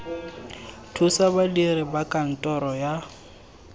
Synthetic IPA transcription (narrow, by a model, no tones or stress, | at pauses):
tʰusabadiɾɪbakʼan̩tʼɔɾɔja